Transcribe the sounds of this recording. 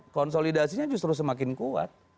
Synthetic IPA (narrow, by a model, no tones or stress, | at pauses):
kɔnsolidasiɲad͡ʒʊs̬t̪ɾʊs̬əmak̬ɪnkua̰t̪̚